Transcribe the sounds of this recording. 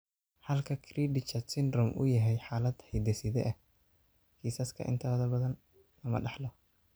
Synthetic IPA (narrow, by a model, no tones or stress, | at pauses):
ħɐlkʰɐkʰriːɖɪt͡ʃɐsɪnrɔmʔʊ̰jɐɦɛjħaːlɐd̪hɛjd̪ɛsɪðɛʔɛh | kʰiːsɐskʰɐ̰ʔɪ̰nt̪ʰɐðɐbɐðɐn | lɐmɐ̰ɖɑħlɔ